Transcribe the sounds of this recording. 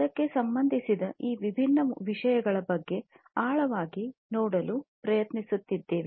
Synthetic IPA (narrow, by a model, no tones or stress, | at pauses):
ɐkːe̞sɐmbɐnd̪ʱisid̪ɐʔiːʋibʱinːɐʋiʂɐjɐɡɐɭɐbɐɡːe̞ | aːɭɐʋaːɡinɔːɽɐlupɾɐjɐt̪nisut̪ːid̪ːe̞ːʋe